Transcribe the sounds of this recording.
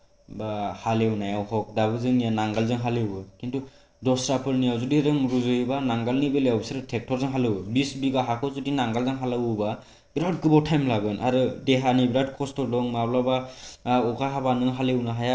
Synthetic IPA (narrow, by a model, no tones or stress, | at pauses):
bahalewnajawhɔk̚daβɯzɯŋijanaŋɡalzɯŋɦalebɯkintu | dɔsɾapʰɯɾnijawzudiɾɯŋɾuzɯjbanaŋɡalnibelejawbsaɾɯtʰek̚tʰɔɾzɯŋɦalɯwbisbiɡaɦakʰɯzudinaŋɡalzaŋɦalawɯba | bɾat̚kɯbawtʰajmlaɡɯnʔaɾɯdeɦanibɾad̚kʰɔstʰɔlɔŋmawlabaɔkʰaɦabanɯɦalewnaɦaja